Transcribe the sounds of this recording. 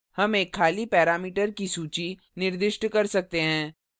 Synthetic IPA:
hɐmeːkʰːaːlipɛːɾaːmiːʈəɾkisuːt͡ʃi | nɪɾd̪ɪʃʈkɐɾsɐk̚t̪eɦɛ̃ː

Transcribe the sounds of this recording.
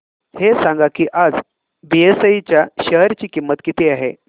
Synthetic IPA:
hesãŋɡakiːʔad͡z | biesəit͡ɕjaɕəɦəɾt͡ɕiːkimːət̪kit̪eaɦe

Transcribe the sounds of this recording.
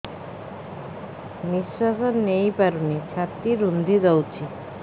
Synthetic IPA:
nisasɔnejpaɾunit͡ɕʰat̪iɾund̪ʱid̪awt͡ʃʰi

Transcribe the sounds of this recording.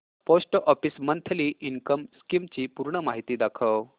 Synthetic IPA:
posʈʔɔfismənt̪ʰliːʔiŋkəmskimt͡ɕiːpuɾɳəmaɦit̪iːd̪akʰəw

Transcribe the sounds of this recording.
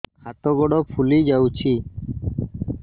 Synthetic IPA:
hat̪ɔɡɔɽɔpʰulid͡ʒawt͡ʃʰi

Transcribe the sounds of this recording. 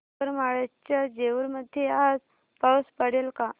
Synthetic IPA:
əɾmaɭat͡ɕjad͡ʑeʋəɾməd̪ʱːjead͡z | pawspəɽelka

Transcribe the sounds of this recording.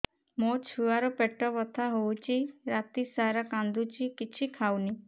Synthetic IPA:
mot͡ʃʰuaɾɔpeʈɔbɔt̪ʰaɦowt͡ʃʰiɾat̪isaɾakand̪ut͡ʃʰikit͡ʃʰikʰawni

